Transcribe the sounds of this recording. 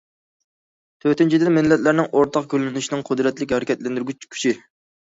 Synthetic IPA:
t̪ʰøt̪ɪnt͡ʃʰid̪ɪmɪnlːɛt̪læɾnɪŋʔoɾt̪ʰɑqkʲølɪnyʃinɪŋqʰʊd̪ɾɛt̪lɪkʲhɛɾɪkʲɛt̪lɛnd̪yɾɡʲyt͡ʃkʲʰy̥t͡ʃʰi

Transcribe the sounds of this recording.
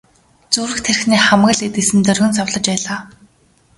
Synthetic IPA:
t͡suːɾɘ̆xt̪ʰer̆xniːχamɢə̆ɮet̪̚isɘ̆mt̪œrɣɵ̆nsawɮə̆t͡ɕpæːɮaː

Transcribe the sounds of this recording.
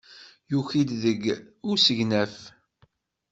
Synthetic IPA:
juçid̪ðəɡʊɾsəʝnæf

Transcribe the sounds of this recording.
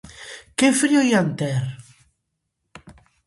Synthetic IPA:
kefɾiojant̪ɛɾ

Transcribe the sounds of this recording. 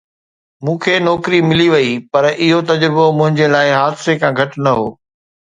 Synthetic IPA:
mũːkʰeːnɔːkɪɾimɪliʋɐipɐɾɪɦot̪ɐd͡ʑɾbomʊ̃ɦɪ̃ɲd͡ʑelaːɪɦaːd̪ɪsekʰãːɡʱɐʈnɐɦo̰ː

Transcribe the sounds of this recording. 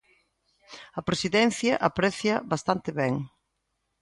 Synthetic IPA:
ɐpɾesiðɛn̟θjɐʔapɾɛθjɐβast̪ant̪ɪβɛŋ

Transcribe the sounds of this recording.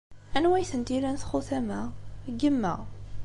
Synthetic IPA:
ænwæjθənt̪ilænθχʊθæmæɡəmːæ̰

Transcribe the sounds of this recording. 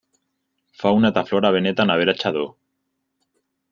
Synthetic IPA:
fawnat̪afloɾaβenet̪anaβeɾat͡ʃaðo

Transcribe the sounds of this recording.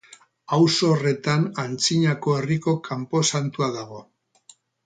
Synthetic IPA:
awso̞re̞t̪anant͡siɲako̞e̞riko̞kʰampo̞sant̪uaðaɣ̞o̞

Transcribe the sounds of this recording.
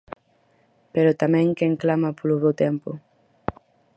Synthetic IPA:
peɾot̪amɛ̃ŋkeŋklamapoluβewt̪ɛmpu

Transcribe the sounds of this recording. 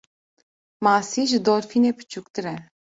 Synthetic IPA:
masiʒd̪ɔɾfinepɨ̥t͡ʃuk̚t̪ɨɾɛ

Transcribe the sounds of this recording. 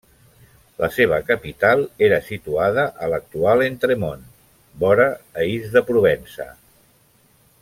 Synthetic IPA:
lʔə̰seβ̞əkəpit̪alˠeɾəsit̪uað̞əʔələk̚t̪ualˠent̪ɾemon | bɔɾəːizðəpɾuβ̞ɛnsə̰

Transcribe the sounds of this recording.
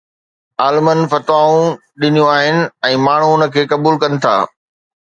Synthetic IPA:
aːlmənfɐt̪ʋaːũ | ɗɪnijũaːɦɪnɪ̆ɛ̃ːmaːɳ̤ũʊnə̆kʰeːkɐbuːlkɐnɪ̆t̪ʰa̰ː

